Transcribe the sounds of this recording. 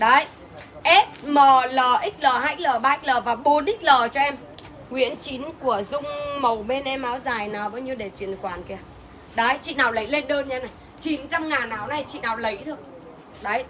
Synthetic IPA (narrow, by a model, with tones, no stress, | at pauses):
ɗə˨˦j | ʔɛ˦˥t̚mə˨˩ləː˨˩ʔi˦˥k̚ləː˨˩ɦaː˧˦˥k̚ləː˨˩ɓaː˧ʔi˦˥k̚ləː˨˩vaː˨˩ɓo˨˦nʔi˦˥k̚ləː˨˩t͡ɕɔ˧ʔɛ˧m | ŋwḭ˧˥ənt͡ɕi˨˦nku˧˩əzʊ˧ŋ͡mmə˨˩wɓe˧nʔɛ˧mʔaː˨˦wzaː˨˩jnaː˨˩wɓaː˨˦wɲi˧ɗe˧˩t͡ɕwi˧˨ənxwaː˧˩nki˧˩ə˨˩ | ɗə˨˦jt͡ɕḭ˧˨naː˨˩wlə˨˦jle˧nɗəː˧nɲaː˧na˨˩j | t͡ɕi˨˦nt͡ɕa˧mŋaː˨˩nːaː˨˩wna˨˧˩jt͡ɕḭ˧˨naː˨˩wlə˨˦jɗɨ˨˩ək̚ | ɗə˨˦j